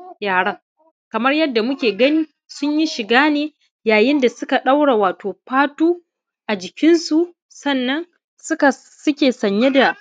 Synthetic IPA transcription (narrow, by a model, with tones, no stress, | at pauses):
jaː˨ɽɐ˦ŋ | kɐ˨mɐ˦rjɐ˦dːa˨mʊ˦kʲeː˨ɡɐ˦niː˦ | sʊ˦ɲji˦ʃɪ˨ɡaː˦neː˨ | jaː˨jɪ˦nda˨sʊ˦ka˨ɗa˦wɽa˨waː˨toː˨ɸaː˦tuː˦ | ʔa˨d͡ʒɪ˨kʲɪ˦nsu˨ | sɐ˦˨nːɐ˦n | sʊ˦ka˨ | sʊ˦kʲeː˨sɐ˨ɲje˦da˨